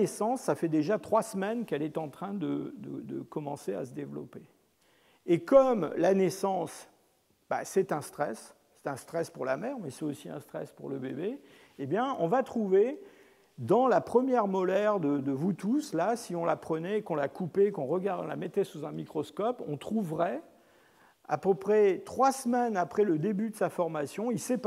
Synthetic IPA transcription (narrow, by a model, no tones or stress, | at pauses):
esɑ̃sːafɛd̪eʒat̪χwasmɛnkɛlɛt̪ɑ̃t̪χɛ̃d̪əd̪ə̰d̪ə̰kɔmɑ̃sea̰səd̪evlɔ̰peː | kɔmlanɛsɑ̃s | b̥a̰sɛt̪ɛ̃st̪χɛsː | ɛ̥t̪ɛ̃st̪χɛspuʁlamɛʁmɛsɛt̪osiɛ̰̃st̪χɛ̰spuʁləbebe | ebjɛ̃ɔ̃vat̪χuve | d̪ɑ̃lapχəmjɛʁmɔlɛʁd̪əd̪əvut̪uslasiɔ̃lapχənɛːkɔ̃lakupekɔ̃ʁəɡaʁɔ̃la̰mɛt̪ɛsuzɛ̃mikχɔskɔpɔ̰̃t̪χuvʁɛ | a̰pəpχɛt̪χwasmɛnapχɛləd̪ebyd̪əsafɔʁmasjɔ̃ilsɛp